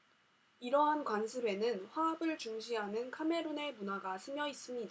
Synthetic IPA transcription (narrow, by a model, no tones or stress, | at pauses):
iɾʌɦankwansʰɯbe̞nɯnɸwaabɯɭt͡ɕuŋɕʰiɦanɯnkʰame̞ɾone̞munaɡasʰɯmjʌis͈ɯmɲida